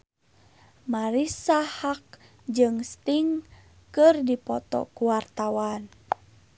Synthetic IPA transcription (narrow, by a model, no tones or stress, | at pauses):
maɾisahak̚ | d͡ʒɨŋst̪iŋ | kɨrdipɔt̪ɔ̰kuwart̪awan